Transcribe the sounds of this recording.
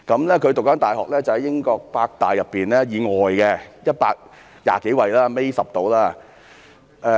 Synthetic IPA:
kɐ˨˧˥mlɛː˥kʰɵ˨˧t̪k̚aː˨˥nt̪aː˨jɦɔː˨k̚lɛː˥t͡sɐ˨whɐ˨˥jɪ˥ŋkɔː˧k̚paː˧k̚t̪aː˨˩jːɐ˨pːiː˨nlɛː˥jiː˨˧ŋɔː˨jkɛ˧jɐ˥t̚paː˧k̚ | ja̰ː˨˩ke˨˥jwɐ˧˩jlaː˥me˥jsɐ˨˩p̚t̪o˨˥wlaː˥ | ʔɛː˧

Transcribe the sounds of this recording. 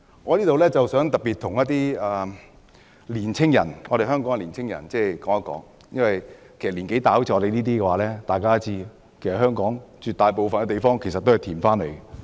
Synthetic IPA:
ŋɔː˨˧liː˥t̪o˨wlɛː˥t͡sɐ˨wsœː˨˥ŋt̪ɐ˨˩piː˨t̪ʰʊ˨˩ŋjɐ˥t̚t̪iː˥aː˨ | liː˨˩nt͡sʰɪ˥ŋjɐ̰˨˩nŋɔː˨˧ɾe˨jɦœː˥ŋkɔː˨˥ŋɛ˨˧liː˨˩nt͡sʰɪ˥ŋjɐ̰˨˩nt͡sɛː˥˩kɔː˨˥ŋa˦˥kɔ̰ː˨˥ŋ | jɐ˥nwɐ˨jkʰe˨˩sɐ˨t̚liː˨˩nke˨˥jt̪aː˨˥wt͡sʰɛ˨˧˥le˨˧niː˥t̪iː˥kɛː˧waː˨˧˥lɛː˥t̪aː˨jkaː˥t͡siː˥˧ | kʰe˨˩sɐ˨t̚ɦœː˥ŋkɔː˨˥ŋt͡ʃyː˨t̪aː˨˧jpo˨wfɐ˨nkɛ˧t̪e˨jfɔː˥ŋkʰe˨˩jsɐt̪ːo˥ɐ˨jt̪ʰiː˨˩faː˥nlḛ˨˩j

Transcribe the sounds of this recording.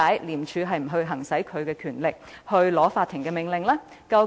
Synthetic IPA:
aː˨˥jliː˨˩mt͡ʃʰyː˨˧ɦɐ˨jm̩˨˩ɦɵ˧ɥɦɐ˨˩ŋsɐ˨˥jkʰɵ˨˧ɥkɛː˧kʰyː˨˩nlɪ˨k̚hɵ˧ɥlɔː˨˥faː˧t̪ʰːɪ˨˩ŋkɛː˧mɪ˨˩ŋlɪ˨ŋlɛː˥ | kɐ˧w

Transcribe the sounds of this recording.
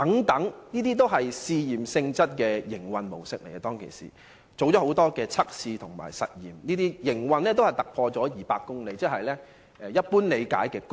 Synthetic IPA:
ɐ˨˥ŋt̪ɐ˨˥ŋniː˥t̪̬iː˥t̪o˥wɦɐ˨jsiː˧jiː˨˩msɪ˧ŋt͡sɐ˥t̚kɛː˧jɪ˨˩ŋwɐ˨nmo˨˩wsɪ̰˨˥k̚lḛ˨˩jt̪ɔː˥ŋkʰḛ˨˩jsḭː˨˩ | t͡so˨wt͡sɔː˨˥ho˨˥wt̪ɔː˥kɛː˧t͡sʰɐ˥k̚siː˧t̪ʰʊ˨˩ŋma̰ː˨˩jsɐ̰˨t̚jiː˨˩mniː˥t̪iː˥jɪ˨˩ŋwɐ˨˧nlɛ˥t̪o˥hɐ˨jt̪ɐ˨k̚pʰɔː˧t͡sɔː˨˥jiː˨paː˧k̚ːʊ˥ŋle˨˧jt͡sɪ˥k̚hɐ˨jlɛː˥ | ɛː˨˩jɐ˥t̚puː˥nle˨˧jka̰ː˨˥jkɛː˧k

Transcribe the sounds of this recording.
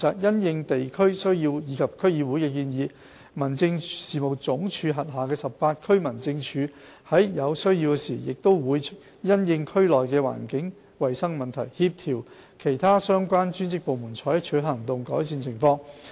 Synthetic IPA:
t͡saː˨k̚jɐ˥njɪ˧ŋt̪e˨jkʰɵ˥ɥsɵ˥ɥjiː˧wjiː˨˧kʰɐ˨p̚kʰɵ˥ɥjiː˨˧wuː˨˥jkɛː˧k̬iː˧njiː˨˧ | mɐ˨˩nt͡sɪ˧ŋsiː˨mo˨wt͡sʊ˨˥ŋt͡ʃʰyː˨˧ɦɐ˨t̚ɦaː˨kɛː˧sɐ˨ppaː˧t̚kʰɵ˥ɥmɐ˨˩nt͡sɪ˧ŋt͡ʃʰyː˨˧ | hɐ˨˥jjɐ˨˧wsɵ˥ɥjiː˧wkɛ˧siː˨˩jɪ˨k̚t̪o˥wwuː˨˧jt͡ʃʰt̚ | jɐ˥njɪ˧ŋkʰɵ˥lɔː˨˩jkɛː˧wa̰ː˨˩nkɪ˨˥ŋ | wɐ˨jsɐ˥ŋmɐ˨˩nt̪ʰɐ˨˩jhiː˧p̚t̪ʰiː˨˩w | kʰe˨˩jt̪ʰaː˥sœː˥ŋkʷaː˥nt͡ʃyː˥nt͡sɪ˥k̚po˨wmuː˨˩nt͡ʃʰɔː˨˥jɐ˥t͡ʃʰɵ˨˥ɦɐ˨˩ŋt̪ʊ˨ŋkɔː˨˥jsiː˧nt͡sʰɪ˨˩ŋfɔː˧ŋ

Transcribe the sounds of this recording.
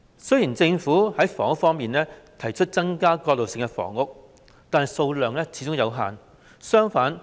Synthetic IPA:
sɵ˥jiː˨˩nt͡sɪ˧ŋfuː˨˥hɐ˨˥jfɔ̰ː˨˩ŋʊ˥kfɔː˥ŋmiː˨nlɛː˥t̪ʰɐ˨˩jt͡ʃʰɵ˥t̚t͡sɐ˥ŋkaː˥kɔː˧t̚lo˨wsɪ˨˧ŋkɛ˧fɔ̰ː˨˩ŋʊ˥k̚ | t̪aː˨nɦɐ˨˩jso˧wlœː˨ŋlɛː˥t͡sʰiː˨˧˥t͡sʊ˥ŋjɐ˨˧wɦa̰ː˨n | sœː˥ŋfaː˨˥n

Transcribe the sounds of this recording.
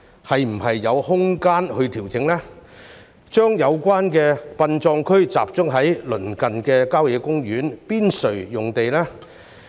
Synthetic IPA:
hɐ˨jm̩˨˩hɐ˨jːɐ˨˧whʊ˥ŋkaː˥nhɵ˧t̪ʰiː˨˩wt͡sɪ˨˧˥ŋlɛː˥ | t͡ʃœː˥ŋjɐ˨˧wkʷaː˥nkɛː˧pɐ˧nt͡ʃɔː˧ŋkʰɵ˥ɥt͡sa̰ː˨p̚t͡sʊ˥ŋɦɐ˨˥jlɵ˨˩nkɐ˨nkɛː˧kaː˥wjɛː˨˧kʊ˥ŋjyː˨˥npiː˥nsɵ˨˩ɥjʊ˨ŋt̪e˨jlɛː˥

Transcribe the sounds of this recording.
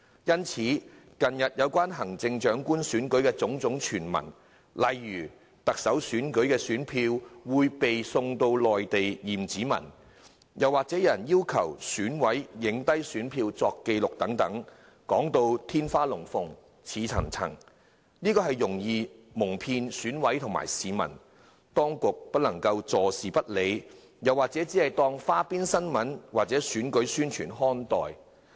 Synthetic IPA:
jɐ˥nt͡sʰiː˨˥ | kɐ˨njɐ˨t̚jɐ˨˧wkʷaː˥nɦɐ˨˩ŋt͡sɪ˧ŋt͡ʃœː˨˥ŋkuː˥nsyː˨˥nkɵ˨˥ɥkɛː˧t͡sʊ˨˥ŋt͡sʊ˨˥ŋt͡ʃʰyː˨˩nmɐ̰˨˩n | lɐ˨jːyː˨˩ | t̪ɐ˨k̚sɐ˨˥wsyː˨˥nkɵ˨˥ɥkɛː˧syː˨˥npʰiː˧wwuː˨˧jpe˨jsʊ˧ŋt̪o˧wlɔː˨jt̪e˨jjiː˨˩mt͡siː˨˥mɐ̰˨˩n | jɐ˨waː˨k̚t͡sɛː˨˥jɐ˨˩njiː˥wkʰɐ˨˩wsyː˨˥nwɐ˨˥jːɪ˨˥ŋt̪ɐ˥jsyː˨˥npʰiː˧wt͡sɔː˧kːe˧jlʊ˨k̚t̪ɐ˨˥ŋt̪ɐ˨˥ŋ | kɔː˨˥ŋt̪o˧wt̪ʰiː˥nfaː˥lʊ˨˩ŋfʊ˨ŋ | t͡sʰiː˨˧t͡sʰɐ̰˨˩ŋt͡sʰɐ̰˨˩ŋ | niː˥kɔː˧ɦɐ˨jːʊ˨˩ŋjiː˨˧mʊ˨˩ŋpʰiː˧nsyː˨˥nwɐ˨˥jt̪ʰʊ˨ŋma̰ː˨˩jsiː˨mɐ̰˨˩n | t̪ɔː˥ŋkʊ˨k̚pɐ˥t̚lɐ˨˩ŋkɐ˧wt͡sɔː˨˧siː˨˩pɐ˥t̚le˨˧j | jɐ˨˩waː˨˩k̚t͡sɛː˨˥t͡siː˨˥hɐ˨jt̪ɔː˥ŋfaː˥piː˥nsɐ˥nmɐ˨˥nwaː˨k̚t͡sɛː˨˥syː˨˥nkɵ˨˥ɥsyː˥nt͡ʃʰy̰ː˨˩nɦɔː˥nt̪ɔ̰ː˨j

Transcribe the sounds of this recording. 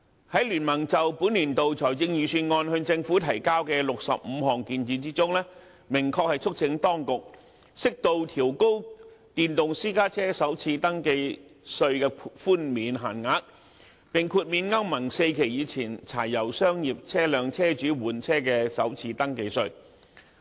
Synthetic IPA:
hɐ˨˥jlyː˨˩nmɐ˨˩ŋt͡sɐ˨wpuː˨˥nli˨˩nt̪o˨wt͡sʰɔː˨˩jt͡sɪ˧ŋjyː˨syː˧nŋɔː˧nhɵ˧t͡sɪ˧ŋfuː˨˥t̪ʰɐ˨˩jkaː˥wkɛː˧lʊ˨k̚sɐ̰˨p̚m̩˨˧ɦɔː˨˩ŋkiː˧niː˨˧t͡siː˥t͡sʊ˥ŋlɛː˥ | mɪ˨˩ŋkʰɔː˧k̚hɐ˨jt͡ʃʰɵ˥k̚t͡sʰɪ˨˧˥ŋt̪ɔː˥ŋkʊ˨k̚ | sɪ˥k̚t̪o˧wt̪ʰiː˨˩wko˥wt̪iː˨nt̪ʊ˨ŋsiː˥kaː˥t͡sʰɛː˥sɐ˨˥wt͡sʰiː˧t̪ɐ˥ŋke˧jsɵ˧ɥkɛ˧fuː˥nmiː˨˥nɦa̰ː˨˩nŋaː˨˥k̚ | pɪ˨ŋkʰuː˧t̚miː˨˧nŋɐ˥wmɐ˨˩ŋse˧jkʰe˨˩jiː˨˧t͡sʰiː˨˩nt͡sʰa̰ː˨˩jːɐ˨˩wsœː˥ŋjiː˨p̚t͡sʰɛː˥lœː˨˧ŋt͡sʰɛː˥t͡ʃyː˨˥wuː˨nt͡sʰɛː˥kɛː˧sɐ˨˥wt͡sʰiː˧t̪ɐ˥ŋke˧jsɵ˧ɥ

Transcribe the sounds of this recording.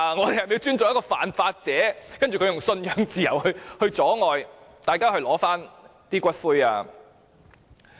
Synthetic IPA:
ŋɔː˨˧d̪e˨hɐ˨jme˨˧wt͡ʃyː˥nt͡sʊ˨ŋjɐ˥kɔː˧fa̰ː˨nfaː˧t̚t͡sɛː˨˥kɐ˥nt͡ʃyː˨kɵ˧jʊ˨˩ŋsɵ˧njœː˨˧˥ŋt͡siː˨jɐ˨˩whɵ˧hɵ˧ɥt͡sɔː˨˥ŋɔː˨jt̪aː˨jkaː˥ɦɵ˧ɥlɔː˨˥faː˥nt̪iː˥kʷɐ˥t̚fuː˥ja̰ː˧

